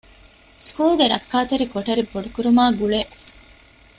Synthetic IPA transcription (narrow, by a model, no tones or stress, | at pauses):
skuːlɡeɾɐkːaːt̪ɐɾikoʈɐɾiboɖukuɾumaːɡuɭeʔ